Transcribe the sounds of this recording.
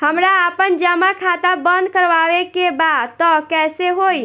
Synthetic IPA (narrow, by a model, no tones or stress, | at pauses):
həmɾaapənd͡ʒəmakʰat̪abə̃nd̪̚ʱkəɾʋaʋekebad̪t̪ɔkɛseɦoi